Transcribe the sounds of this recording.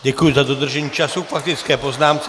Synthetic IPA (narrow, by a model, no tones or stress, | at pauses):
ɟɛkujuzad̪ɔd̪r̩ʒɛɲiːt͡ʃasukfak̚t̪it͡sskɛːpɔznaːmt͡s